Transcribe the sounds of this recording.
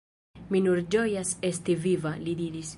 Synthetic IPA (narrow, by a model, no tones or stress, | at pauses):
minuɾd͡ʒojasest̪ivivalid̪iɾis